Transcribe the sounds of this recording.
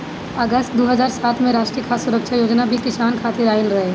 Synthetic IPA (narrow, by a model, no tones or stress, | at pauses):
əɡəst̪̚d̪oːɦəzaːɾsaːt̪ʰmẽɾaːʃʈɾijəkʰaːsʊɾəkʃʰajoːd͡ʒnabʱikɪsaːnkʰaːt̪iɾaːɪlɾɐɦe